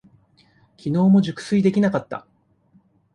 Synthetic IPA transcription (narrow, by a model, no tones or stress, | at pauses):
kʲʰino̞ːmo̞ʑɨkɯ̟̥sɨid̪e̞kʲinakat̪ːa̰